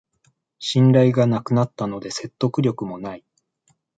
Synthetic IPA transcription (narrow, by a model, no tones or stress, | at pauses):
ɕĩnɾaiɡanakɯ̟nat̪ːano̞d̪e̞se̞t̪ːo̞kɯ̟ɾʲo̞kɯ̟mo̞nai